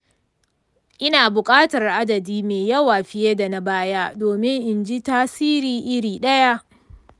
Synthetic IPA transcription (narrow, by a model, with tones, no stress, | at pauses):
ʔɪ˦naː˨bʊ˨kʼaː˦tɐ˨rʔa˦dɐ˨diː˦meː˨jɐ˦waː˨ɸɪ˦je˦da˨na˦baː˦jaː˦doː˨mɪ˦ŋʔɪ˨nd͡ʒi˦taː˦siː˦ɾiː˦ʔɪ˦ɾiː˨ɗɐ˦ja˦ʔ